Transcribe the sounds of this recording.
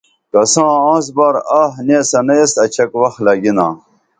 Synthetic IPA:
kɐsãːãːs̬baːɾaːɦnesɐnɐest̪ɐt͡ɕʰɐkwɐxlɐɡinaː

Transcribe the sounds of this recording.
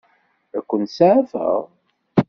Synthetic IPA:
æ̰kʷːənt̪saʕæfə̰ʁ

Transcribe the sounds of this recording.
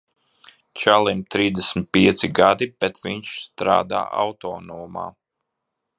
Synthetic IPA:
t͡ʃalˠimt̪ɾiːzd̪ɛsʲmʲit̪̚piɛt̪siɡad̪ipɛt̪viɲʃst̪ɾa̰ːd̪a̰ːa̰wt̪ɔːnɔːma̰ː

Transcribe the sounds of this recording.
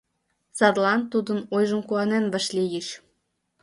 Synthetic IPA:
sɑd̪lɑnt̪ːud̪ənojʒəmkuɑnenβəʃlʲijəʃ

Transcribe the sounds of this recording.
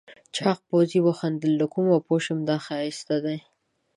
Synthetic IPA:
t͡ʃʰɑq̚poziboxand̪əlːakumapoʃəmd̪ɑxaist̪ad̪aj

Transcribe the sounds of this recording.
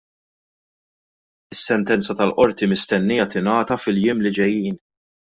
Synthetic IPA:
ɪsːɛnt̪ɛnt͡sɐt̪ɐlʔɔɾt̪imɪst̪ɛnːɪjɐt̪ɪnɐːt̪ɐfɪljɪːmlɪd͡ʒɛjːiːn

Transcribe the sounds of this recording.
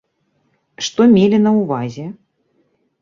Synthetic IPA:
ʂt̪ɔmʲelʲinɐuvazʲɛ

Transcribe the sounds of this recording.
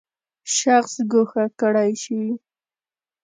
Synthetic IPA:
ʃaχsɡʊxakɽajʃi

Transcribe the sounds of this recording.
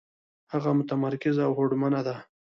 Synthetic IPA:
haɣamʊt̪amaɾkɪzawhoɽmanad̪a

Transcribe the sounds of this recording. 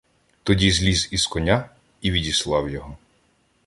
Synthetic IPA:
t̪ɔdʲizʲlʲiziskɔnʲa | iʋʲidʲislˠɑwjɔɦɔ

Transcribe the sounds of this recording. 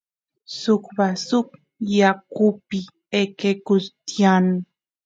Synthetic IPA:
sʊkbasʊk | jakʊpɪ | ekekʊst̪jan

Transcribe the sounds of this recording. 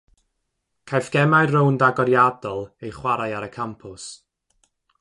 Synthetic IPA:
kʰajfɡ̥ɛmajrowndaɡɔɾjadɔlˠejχwaɾajaɾəkʰampʰʊs

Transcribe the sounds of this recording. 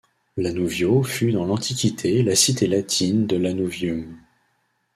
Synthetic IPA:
lanuvjofyd̪ɑ̃lɑ̃t̪ʰikʲit̪ʰelasit̪elat̪ʰind̪əlanuvjum

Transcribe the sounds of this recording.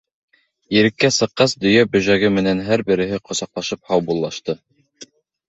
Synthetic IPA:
jɘ̆ɾɘ̆kːæsɤ̆qːɑsd̪ɵ̆jæbɵ̆ʒæɡɘmɘ̆nænɦæɾbɘ̆ɾɘ̆ɦɘqŏsɑqlˠɑʃɤp̚hɑwbulˠːɑʃt̪ɤ

